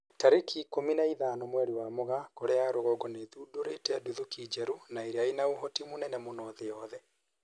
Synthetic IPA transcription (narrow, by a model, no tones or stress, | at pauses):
taɾekʰikominaiðaːnɔmwɛɾiwamoɣakoɾeaɾoɣɔɡɔneðudoɾetɛduðokid͡ʒɛɾunaeɾeainaoɦɔtimonɛnɛmonɔðeɔðɛ